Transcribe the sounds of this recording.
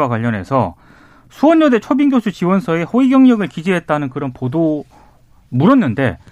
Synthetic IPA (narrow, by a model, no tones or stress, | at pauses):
wak̬waʎːʌnɦe̞̰sʰʌ | sʰuwʌɲːʌde̞t͡ɕʰobiŋɡjosʰut͡ɕiwʌnsʰʌe̞ɸoiɡjʌŋɲʌɡɯɭkid͡ʑiɦe̞t̚t͈anɯnkɯɾʌnpodo | muɾʌnːɯnde̞̰